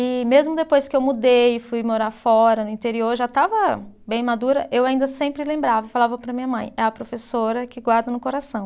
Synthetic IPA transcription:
ɪmezmʊd̪epojskɪewmud̪ejɪfujmoɾaɾfɔɾɐnʊĩt̪eɾioɾʒat̪avɐbẽj̃mad̪uɾɐʔewaĩnd̪ɐsẽmpɾɪlẽmbɾavɐfalavɐpɾɐmĩɲɐmɐ̰̃j̃ɛɐpɾofesoɾɐkɪɡwaɾd̪ɐnʊkoɾasɐ̃w̃

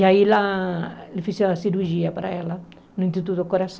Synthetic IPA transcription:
ailaelifiseɐsiɾuɾʒiɐpaɾɐ̰ɛlɐ | nʊ̃ĩnt̪it̪ut̪ukoɾasɐ̃

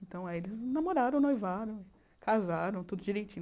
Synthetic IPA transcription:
ẽt̪ɐ̃w̃aielɪznamoɾaɾɐ̃w̃nojvaɾɐ̃w̃ɪ | kʰazaɾɐ̃w̃t̪ud̪ʊd͡ʒiɾejt͡ʃĩn

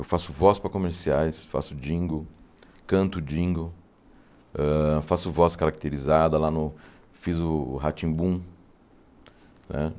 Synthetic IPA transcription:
ewfasʊvɔspɾɐkomeɾsiajsfa̰sʊd͡ʒĩŋɡʊ | kɐ̃nt̪ʊd͡ʒĩŋɡʊ | ɛfasʊvɔskaɾak̚t̪eɾizad̪ɐlanʊ | fizʊhat͡ʃĩbũ | nɛ̰

